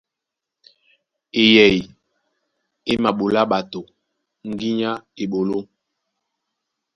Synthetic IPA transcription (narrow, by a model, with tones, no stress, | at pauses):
e˨jɛ˨i˨ | e˦ma˨ɓo˨la˦ɓa˨to˨ | ŋ̩˦ɡi˦ɲa˦e˨ɓo˨lo˦